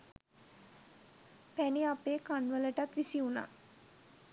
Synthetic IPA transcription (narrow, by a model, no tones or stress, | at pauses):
pæniapeːkanʋələʈat̪ʋisiuna̰ː